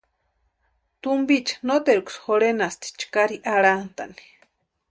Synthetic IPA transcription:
t̪umbit͡ʃḁnot̪eɾuksxoɾenast̪i̥t͡ʃkaɾiʔaɾant̪a̰ni̥

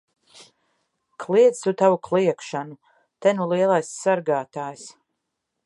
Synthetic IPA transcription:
kʰlˠiɛt̪sut̪avuklˠiɛkʃanu | t̪ɛnulˠiɛlˠajsːaɾɡaːt̪aːjs

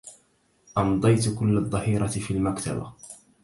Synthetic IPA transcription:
ʔɑmd̪ˤɑjt̪kʊlːad̪ˤːɑhiːɾˤɑfiːlmakt̪a̰ba̰

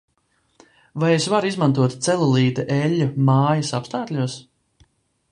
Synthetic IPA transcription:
vajesvaɾizmant̪uɔt̪t̪sɛlˠulˠiːt̪ɛʔɛlʲːumaːjɐsapst̪aːt̪lʲuɔs

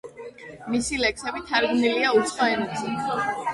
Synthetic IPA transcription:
misilɛksɛbit̪ʰaɾɡniliausʰχɔɛnɛsʰi

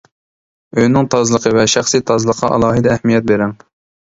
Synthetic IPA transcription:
øjnɪŋt̪ʰɑzlˠəqʰəvɛʃæχsit̪ʰɑzlˠəqʰɑʔɑ̰lˠɑːɦɨd̪ɛːhmijɛt̪̚beɾɛŋ

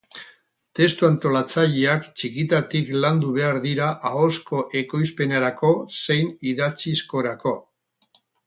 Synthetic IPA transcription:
t̪e̞st̪uant̪o̞lat͡saʎeakt͡ʃikit̪at̪ikland̪uβ̞e̞aɾðiɾaʔao̞sko̞ʔe̞ko̞jspe̞naɾako̞se̞jniðat͡sisko̞ɾako̞

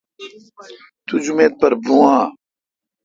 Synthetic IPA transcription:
t̪ud͡ʑumeːt̪̚pɐɾbũãː

